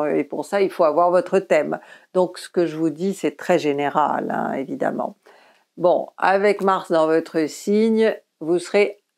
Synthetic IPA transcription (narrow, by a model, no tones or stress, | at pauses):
øepuʁsailfoavwaʁvɔt̪χət̪ɛmd̪ɔ̃ksə̥kəʒəvud̪isɛt̪χɛʒeneʁa̰lɛ̰̃ḛvid̪a̰mɑ̰̃ | bɔ̰̃a̰vɛkmaʁsd̪ɑ̃vɔt̪χəsiɲ | vusəʁe